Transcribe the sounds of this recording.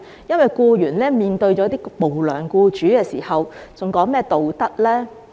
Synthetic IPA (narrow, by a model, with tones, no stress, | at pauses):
jɐ˥nwɐ˨jkuː˧jyː˨˩nlɛː˥miː˨nt̪ɵ˧ɥt͡ʃɔː˨˥t̪iː˥mo˨wlœ̰ː˨˩ŋkuː˧t͡ʃyː˨˥kɛː˧siː˨˩hɐ˨wt͡sʊ˨ŋkɔː˨˥ŋmɛː˥t̪o˨wt̪ɐ˥t̚lɛː˥